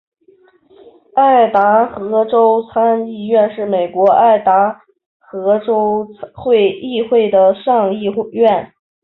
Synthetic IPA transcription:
a˥˩ɪt̪a˧˥xɤ˧˥ʈ͡ʂo˥ʊt͡sʰa˥ni˥˧ɥɛ˥˧nʂɻ̩˥˩me˨˩ɪkwɔ˧˥a˥˩ɪt̪a˧˥ | xɤ˧˥ʈ͡ʂo˥ʊxwe˥˧ɪi˥˧xwe˥˩ɪd̪ə˩ʂɑ˥˧ŋi˥˧ɥɛ˥˩n

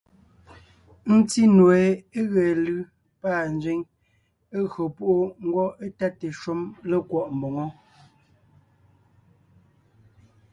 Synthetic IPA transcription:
n̩˦ti˦nwe˨e˦ɣɛ˨lɯ˦ | paː˦˨n̩˦d͡zɥe˦ŋ | e˦ɣɰɔ˨pu˦˨ʔo˦ŋ̩˦ɡwɔ˦e˦ta˦te˨ʃo˦mle˦kwɔ˦˨ʔm˨bɔ˨ŋɔ˦

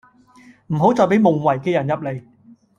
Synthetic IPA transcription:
m̩˨˩ɦo˨˥wt͡sɔː˨˧jp̬e˨˥jmʊ˨ŋwɐ˨˩jkɛː˧jɐ˨˩njɐ˨p̚le˨˧j

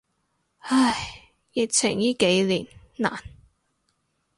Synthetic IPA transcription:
hɐ˧˩j | jɪ˨˧k̚t͡sʰɪ˨˩ŋjiː˥ke˨˥jliː˨˩nna̰ː˨˩n

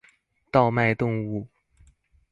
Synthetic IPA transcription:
t̪ɑ˥˧ʊma˥˧ɪt̪ʊ˥˧ŋu˥˩

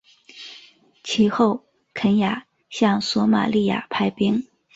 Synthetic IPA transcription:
t͡ɕʰi˧˥xo˥˩ʊ | kʰə˧˥nja˨˩˦ | ɕjɑ˥˩ŋswɔ˧˥ma̰˨˩li˥˩ja̰˨˩pʰa˥ɪpi˥ŋ

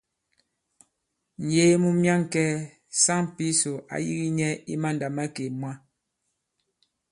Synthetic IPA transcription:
n̩˨je˦mu˦mja˦ŋ˨kɛ˦ | sa˦ŋ˨pi˦so˨ʔa̰˦jḭ˦ɣi˦ɲɛ˦i˦ma˦n˨da˨ma˦ke˨mwa˦

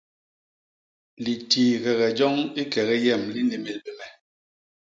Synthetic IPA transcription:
li˨tiː˨ɣɛ˨ɣɛ˨d͡ʒɔ˦ŋi˦kɛ˨ɣɛ˦jɛ˦˨mli˦ni˨me˨lbe˨mɛ˨

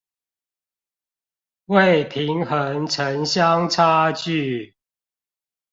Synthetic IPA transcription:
we˥˨ɪpʰi˨˦ŋhə˨˦nt͡sʰə˨˦nɕja˦ŋt͡sʰa˦t͡ɕy˥˨

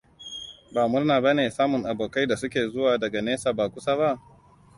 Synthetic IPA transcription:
baː˨mʊ˦rnaː˨ba˦neː˨saː˦mʊ˨ŋʔa˨boː˨ka˦jda˨sʊ˦kʲeː˨zʊ˦waː˨dɐ˨ɡa˨neː˦saː˨baː˨kʷʊ˦saː˦ba˦ʔ

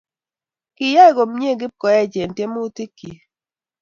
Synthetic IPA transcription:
kɪ˨ja˦e˦˨ɡo˨mɲ˦e˦˨ɡɪ˦p̚kɔ˨jɛ˦˨d͡ʒe˨n˨tje˦mo˦ti˦kːi˨

